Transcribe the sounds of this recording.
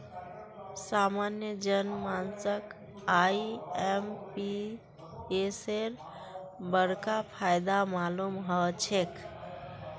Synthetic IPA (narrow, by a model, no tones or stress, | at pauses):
samanjəd͡ʒənmansək | aiempi | eseɾ | bəɾkapʰajd̪amalumɦət͡ʃʰek